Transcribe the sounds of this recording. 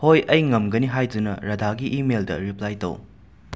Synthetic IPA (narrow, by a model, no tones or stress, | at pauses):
hojɐjŋɐmɡɐniɦajdunɐ̰ɾɐdʱaɡiʔimeldɐ̰ɾiplajto̰w